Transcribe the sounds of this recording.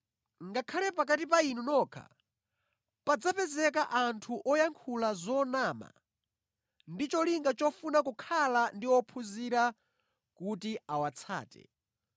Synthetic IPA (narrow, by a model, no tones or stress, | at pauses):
ŋɡakʰalɛpak̬atipainunɔːkʰa̰ | pad͡zapɛzɛk̬aʔantʰuʔɔjaŋkʰulazɔnaːma̰ | ndit͡ʃɔliŋɡat͡ʃɔfunakukʰalandiwɔpʰuziɾa | kutiawat͡sʰa̰ːtɛ̰